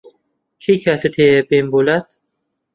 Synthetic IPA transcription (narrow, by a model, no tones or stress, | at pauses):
kʰejkʰæɾt̪et̪ʰebembolæt̪